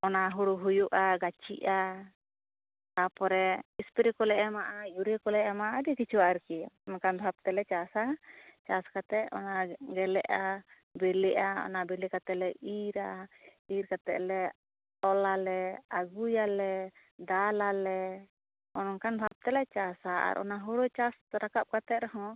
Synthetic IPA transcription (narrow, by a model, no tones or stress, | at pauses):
ɔnaɦuɽuɦujuʔaɡat͡ʃḭʔa | t̪apɔɾɛispiɾikɔlɛʔɛmaʔajuɾekɔlɛʔɛmaʔad̪ikit͡ʃʰuwaʔaɾkiɔnkanbʱab̚t̪ɛlɛt͡ʃasat͡ʃaskat̪ɛʔɔ̰naɡɛlɛʔa | bɛlɛʔaɔ̰nabɛlikat̪ɛʔlɛiɾaiɾkat̪ɛ̰ʔlɛ | t̪ɔlalɛaɡujalɛ | d̪alalɛ | ɔnkanbʱab̚t̪ɛlɛt͡ʃasaa̰ɾʔɔ̰naɦuɽɔt͡ʃasɾakap̚kat̪ɛt̪̚ɾɔɦɔ̃